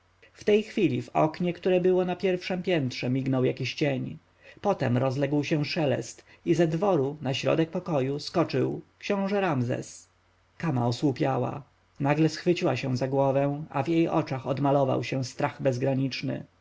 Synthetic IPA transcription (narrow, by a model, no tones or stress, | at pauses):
ft̪ɛjxfʲilʲivɔ̰kɲɛkt̪uɾɛbɘwɔnapʲjɛɾfʂɛmpʲjɛnt̪ʂɛmʲiɡnɔwjakʲiɕt͡ɕeɲ | pɔt̪ɛmɾɔzlɛɡwɕɛ̃ʂɛlɛ̰st̪ | izɛd̪vɔɾunaɕɾɔ̰d̪ɛk̚pɔkɔjuskɔt͡ʂɘwkɕɔ̃w̃ʐɛɾamzɛ̰s | kamaɔswupʲjawa̰ | naɡlɛsxfɘt͡ɕiwaɕɛ̃zaɡwɔvɛ̃w̃a̰vjejʔɔ̰t͡ʂaxɔd̪malɔva̰wɕɛ̃st̪ɾaɣbɛzɡɾaɲit͡ʂnɘ̰